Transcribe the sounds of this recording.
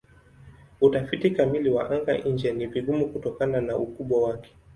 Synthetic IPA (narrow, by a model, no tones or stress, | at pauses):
utafitikamiliwa̰ʔaŋɡa̰ʔiɲd͡ʒɛniviɠumukutɔkananaukuɓwawakɛ̥